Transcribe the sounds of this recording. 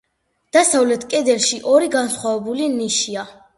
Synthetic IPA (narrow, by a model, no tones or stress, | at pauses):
d̪̥asavlɛt̪ʰkʼɛd̪ɛɾʃiʔɔɾiɡansχwavɛbuliniʃia